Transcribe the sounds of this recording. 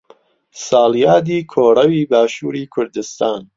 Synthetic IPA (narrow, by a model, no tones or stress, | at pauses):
saːljaːd̪iːkʰoːɾɐwiːbaːʃuːɾiːkʰʊɾd̪ɨst̪aːn